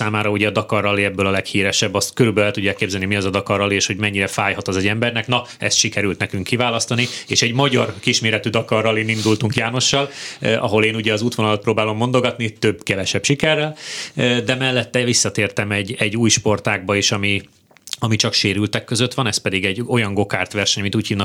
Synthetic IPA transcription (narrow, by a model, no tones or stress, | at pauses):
aːmaːɾɒuɟɛɒd̪ɒkɒrːɒliɛbːølɒlɛkhiːɾɛʃɛbːɒst̪køɾybølɛlt̪uɟːaːkːeːbzɛlnimiɒzɒd̪ɒkɒrːɒlieːʃho̞ɟmɛɲːiɾɛfaːjhɒt̪ɒzɛɟɛmbɛrnɛknɒ | ɛ̰st̪ʃikɛɾylt̪nɛkyŋkːivaːlɒst̪ɒnieːʃɛɟmɒɟɒrkiʃmeːɾɛt̪yd̪ɒkɒrːɒlinind̪ult̪uŋkjaːno̞ʃːɒlʔɒɦo̞leːnuɟɛɒzuːt̪ʋonɒlɒt̪proːbaːlo̞mːo̞nd̪o̞ɡɒt̪nit̪ø̞bkɛvɛʃɛpʃikɛrːɛld̪ɛmɛlːɛt̪ːɛvisːɒt̪eːrt̪ɛmɛɟːɛɟːuːjʃpo̞rt̪aːɡ̚bɒeːʃɒmi | ɒmit͡ʃɒkʃeːɾylt̪ɛkːøzøt̪ʋɒnɛspɛd̪iɡɛɟːo̞jɒŋɡo̞kaːrt̪ʋɛrʃɛɲmint̪uːcʰhiːvnɒ